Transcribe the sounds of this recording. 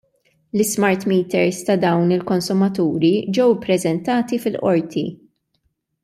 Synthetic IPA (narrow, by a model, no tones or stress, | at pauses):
lɪsmɐɾt̪miːt̪ɛɾst̪ɐd̪ɐwnɪlkɔnsʊmɐt̪uːɾid͡ʒɛwpːɾɛzɛnt̪ɐːt̪ifɪlʔɔɾt̪ḭ